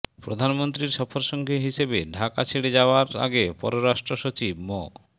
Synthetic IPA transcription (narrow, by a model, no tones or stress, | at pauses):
pɾod̪ʱanmont̪ɾiɾʃɔfoɾʃɔŋɡʱeɦiʃebeɖʱakat͡ɕʰeɽed͡ʑaoaɾa̰ɡepɔɾoɾaʃʈɾoʃot͡ɕibmɔ